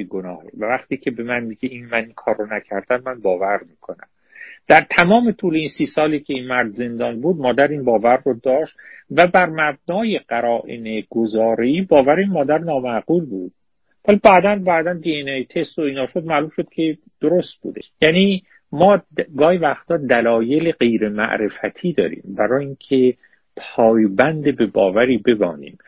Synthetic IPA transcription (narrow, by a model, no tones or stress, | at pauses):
iɡonɒ̰ːhḛvævæxt̪iːcʰe̞be̞mænmiɟʲeinmæniŋkʰɒːɾːonæcʰæɾd̪æmːænbɒːvæɾmiːkʰo̞næ̰m | d̪̥æɾt̪ʰæmɒːme̞t̪ʰuːleiːnsiːsɒːliːcʰe̞iːnmæɾd̪ze̞nd̪ɒːnbuːd̪̚mɒːd̪æɾinbɒːvæɾːod̪ɒːʃt̪væbæɾmæb̚nɒːje̞ɢæɾɒːʔḛneɡozɒːɾeiːbɒːvæɾeinmɒːd̪æɾnɒːmæɡuːlbuːd̪̥̚ | vælibæːd̪ænbæːd̪ænd̪ienejt̪ʰest̪oiːnɒːʃod̪̚mæːlumʃod̪̥kʲʰe̞ | d̪̥oɾost̪̚b̥ṵːd̪ejæːniː | mɒːɡɒːhivæxt̪ɒːd̪ælɒːje̞leɢe̞jɾe̞mæ̰ʔɾe̞fæt̪ʰiːd̪ɒ̰ːɾḭːmbæɾɒːjiŋcʰe | pʰɒːjbænd̪ebe̞bɒːvæɾiːbe̞bɒ̰ːnḭːm